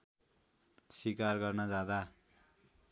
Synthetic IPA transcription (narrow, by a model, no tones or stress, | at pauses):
sikarɡʌrnʌd͡zad̪a